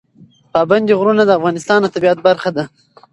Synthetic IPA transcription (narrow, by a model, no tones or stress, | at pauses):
pɑband̪iɣɾunad̪əafɣɑnɪst̪ɑnat̪abiat̪̚baɾxad̪a